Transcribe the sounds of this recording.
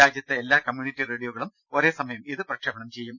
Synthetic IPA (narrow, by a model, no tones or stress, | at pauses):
aːd͡ʑjɐt̪ːeelːaːkɐmjuːnitːire̞ːɽijoːɣɐɭum | o̞ɾe̞ːsɐmɐjɐmiðɨprɐkʂɐbɐɳɐmt͡ɕe̞jːum